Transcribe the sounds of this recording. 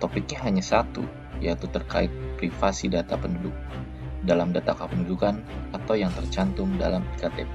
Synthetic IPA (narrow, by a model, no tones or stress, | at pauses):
t̪opɪk̚ɲaɦaɲasat̪ṵ | jait̪ut̪ərka̰ɪt̪̚pɾifasidat̪apəndudʊk̚ | dalamdat̪akapəndudukanat̪awjaŋt̪ərt͡ʃant̪ʊŋda̰lamikat̪ḛp